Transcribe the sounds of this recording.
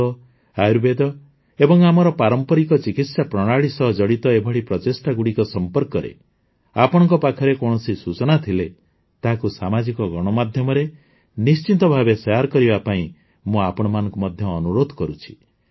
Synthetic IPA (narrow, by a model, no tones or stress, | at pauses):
ɔ | ajɾbed̪ɔ | ebɔŋamɔɾɔpaɾɔmpɔɾikɔt͡ʃikit̪sapɾɔɽ̃aɭisɔɦɔd͡ʒɔɽit̪ɔebʱɔɽipɾɔt̪esʈaɡuɽikɔsɔmpɔɾkɔɾḛ | apɔɽ̃ɔ̃ŋkɔpakʰɔɾekɔɽ̃ɔsisut͡ʃɔnat̪ʰile | t̪aɦakusamad͡ʒikɔɡɔɽ̃ɔmad̪ʱjɔmɔɾe | nist͡ʃint̪ɔbʱabesaɾkɔɾibapaĩ | mũapɔɽ̃ɔmanɔ̃ŋkumɔd̪ʱjɔːnuɾod̪ʱɔkɔɾut͡ʃʰi̥